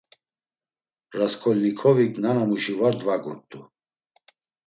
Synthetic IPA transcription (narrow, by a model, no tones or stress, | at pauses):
ɾaskʰɔlnikʰɔvikʰnanamuʃivaɾd̪vaɡṵɾt̪ʼu